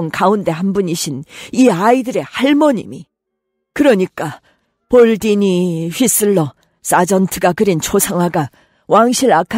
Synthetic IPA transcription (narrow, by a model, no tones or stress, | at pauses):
nkaunde̞hanbuniɕʰiniaidɯɾe̞haɭmʌɲḭmi | kɯɾʌɲik͈a | poɭdiɲiɸɥis͈ɯɭːʌ | s͈ad͡ʑʌntʰɯɡakɯɾint͡ɕʰosʰaŋɦwaɡa | waŋɕʰiɾakʰa